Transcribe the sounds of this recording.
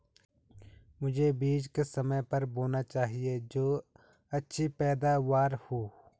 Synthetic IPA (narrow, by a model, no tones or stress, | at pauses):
mʊd͡ʒʱebiːd͡ʒkesɐməjpɐɾboːnat͡ʃaːɦied͡ʒoː | ɐtːʃʰipɛːd̪aʋaːɾhoː